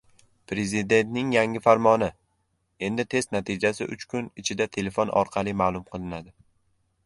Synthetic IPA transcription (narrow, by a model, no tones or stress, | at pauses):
pɾe̞zɪd̪e̞nt̪nɪŋjaŋɪfaɾmɒnɪ | e̞nd̪ɪt̪ʰe̞st̪nat̪ʰid͡ʒasɪʔʊ̰t͡ʃkʰʊnɪt͡ʃʰɪd̪at̪ʰe̞le̞fonʔɒ̰ɾqʰɑlˠimaːlˠʊmqʰɨlˠɪnad̪ɪ